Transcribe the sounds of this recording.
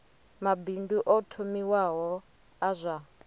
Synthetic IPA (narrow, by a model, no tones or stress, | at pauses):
mabinduʔɔtʰomiwaɦɔ | azʷa